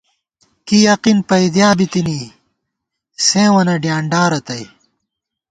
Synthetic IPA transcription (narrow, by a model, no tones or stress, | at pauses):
kijɐqinpɐjd̪jaːbit̪iniː | sẽːwɐnɐɖjaːɳɖaːɾɐt̪ɐj